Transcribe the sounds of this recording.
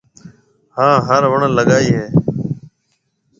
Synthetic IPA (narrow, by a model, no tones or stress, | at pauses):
hãːɦəɾʋəɳləɠaːiːɦeː